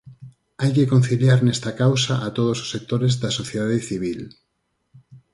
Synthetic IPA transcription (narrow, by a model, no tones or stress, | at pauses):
ajkekon̟θiljaɾnest̪akawsaʔat̪oð̞oso̥sek̚t̪oɾezðasoθjeðaðeθiβ̞il